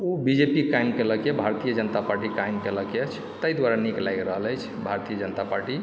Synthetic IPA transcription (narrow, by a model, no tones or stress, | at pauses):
obid͡ʒepikajmkeləkebʱaɾt̪ijəd͡ʒənət̪apaɾʈikajmkeləket͡ʃʰ | t̪əjd̪waɾaniklajkɾəɦələjt͡ʃʰbʱaɾt̪ijəd͡ʒənət̪apaɾʈi